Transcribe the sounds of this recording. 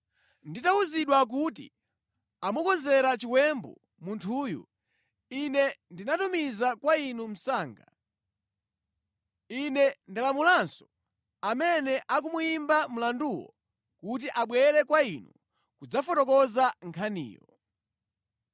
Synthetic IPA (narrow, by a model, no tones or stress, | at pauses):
nditauziɗwak̬utḭ | amukɔzɛɾat͡ʃiwɛmbṵ | muntʰuːjṵ | inɛndinatumizakwainum̩saːŋɡa̰ | inɛndilamulansɔ | amɛnɛʔak̬umujimbam̩landuwɔ̰ | kut̬iʔaɓwɛɾɛkwainṵ | kud͡zafɔtɔkɔzaŋkʰanḭːjɔ̰